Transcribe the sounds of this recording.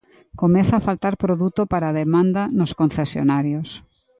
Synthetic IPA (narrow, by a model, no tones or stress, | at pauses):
komɛθaːfalt̪aɾpɾoðut̪opaɾaːðemãnd̪ɐnʊskonθesjo̰naɾjos